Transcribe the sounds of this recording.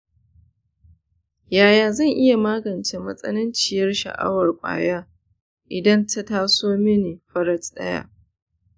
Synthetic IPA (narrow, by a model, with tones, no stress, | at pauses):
jaː˨jaː˨zɐ˦˨ŋʔɪ˦ja˨maː˦ɡɐ˨nt͡ʃe˨mɐ˦sʼɐ̰˦nɪ˦nt͡ʃɪ˨jɐ˦rʃɐ̰˨ʔa̰˦wɐ˨rkʷʼa̰ː˨jaː˦ | ʔɪ˨dɐ˦ntʰɐ˦taː˦soː˦mɪ˦neː˨ɸɐ˦ɾɐ˦t͡sʼɗɐ̰˦ja̰ː˦